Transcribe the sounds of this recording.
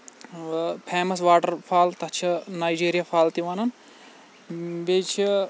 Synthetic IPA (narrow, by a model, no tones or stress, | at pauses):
pʰeːmɐs̬ʋaːʈɐɾpʰaːlt̪ɐt͡ʃʰinaːjd͡ʒiːɾijapʰaːlt̪iʋanɐn | bet͡ʃʰi